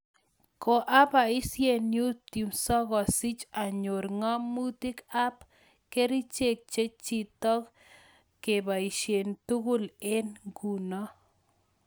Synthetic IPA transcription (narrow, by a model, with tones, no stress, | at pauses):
ko˨ʔa˦pa˨ɪ˦sje˦˨nju˦t̪i˨msɔ˦ɡɔ˨si˦t͡ʃa˨ɲo˨ɾŋɔ˦mu˦ti˦ka˦p | ke˦ɾi˦t͡ʃe˦k̚t͡ʃe˦t͡ʃi˦tɔ˦k | kːe˨ba˨i˨ʃje˨ntu˦ɡʊ˦le˦nɡu˨nɔ˦